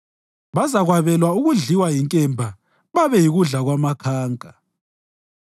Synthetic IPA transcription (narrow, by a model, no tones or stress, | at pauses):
βazaɣwaβɛlwauɣuɮiwajiŋkʼɛmbʱa | βaβɛjiɣuɮaɣwamakʰaːŋkʼa